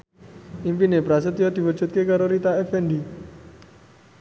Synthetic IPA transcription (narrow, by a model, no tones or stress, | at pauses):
impinepɾas̬ət̪jad̪̥i̤wə̥d͡ʒ̥ṳt̪̚kekaɾoɾit̪aɛfɛnɖi